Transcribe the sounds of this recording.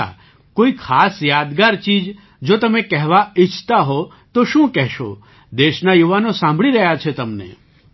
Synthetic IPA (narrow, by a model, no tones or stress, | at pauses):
a̰ | koːikʰaːsjaːd̪ɡaɾt͡ʃiːd͡ʒ | d͡ʒoːt̪əmẽkɛɦʋaɪt͡ʃʰt̪aɦɔ | t̪oʃũːkɛɦʃo̰ | d̪eːʃnajuʋanõsãmbʱɭiɾɐɦjat͡ʃʰet̪əmnḛ